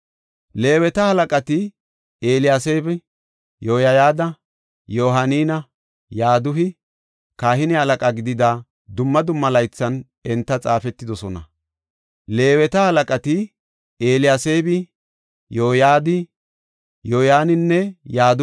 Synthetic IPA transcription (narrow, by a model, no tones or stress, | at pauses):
le̞ːwɛt̪ɐhɐlɐkʼɐt̪ɪ | eːlɪjaːse̞ːbɪ | joːjɐjaːd̪ɐ | joːɦɐniːnɐ | jaːd̪ʊɦɪ | kaːhɪnɪhɐlɐkʼɐɡɪd̪ɪd̪aː | d̪ʊmːɐd̪ʊmːɐlɐjt͡sːɐn | ɛnt̪ːɐt͡sʼaːfɛt̪ːɪd̪ɔsɔnɐ̰ | le̞ːwɛt̪ɐhɐlɐkʼɐt̪ɪ | eːlɪjaːse̞ːbɪ | joːjaːd̪ɪ | joːjaːnɪnːɛjaːd̪